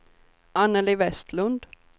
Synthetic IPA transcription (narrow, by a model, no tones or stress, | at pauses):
anːəlɪvɛst̪lɵnd̪